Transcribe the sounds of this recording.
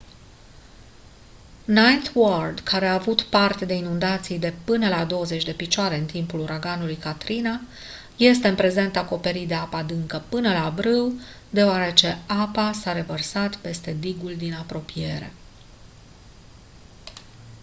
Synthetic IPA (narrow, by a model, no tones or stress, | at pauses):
najt̪word̪kʰaɾe̞aːvut̪part̪e̞d̪e̞inund̪at̪sijd̪e̞pɨnəlad̪o̞wəze̞t͡ʃʲd̪e̞pit͡ʃoaɾe̞ɨnt̪impuluɾaɡanulujkat̪ɾina | je̞st̪eɨnpɾe̞ze̞nt̪ako̞pe̞ɾit̪d̪e̞apad̪ɨŋkəpɨnəlabɾɨw | d̪e̞oaɾe̞t͡ʃe̞apasaɾe̞vərsat̪pe̞st̪e̞d̪iɡuld̪inapɾo̞pije̞ɾe̞̰